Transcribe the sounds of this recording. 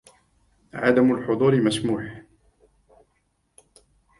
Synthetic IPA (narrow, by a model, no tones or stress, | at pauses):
ʕad̪amʊlħʊd̪ˤuːɾɪmasmuːħ